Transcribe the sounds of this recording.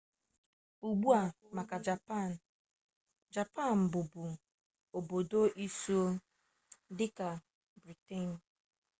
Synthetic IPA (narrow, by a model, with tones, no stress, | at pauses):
u˨ɡ͡bu˦a˨ | ma˨ka˨d͡ʒa˨pa˦˨n˨ | d͡ʒa˨pa˦˨n̩˨bʊ˨bu˨ | o˨bo˨do˦ʔi˦su˦o˦ | dɪ˦ka˨ | bɾi˨te˦˨n˦˨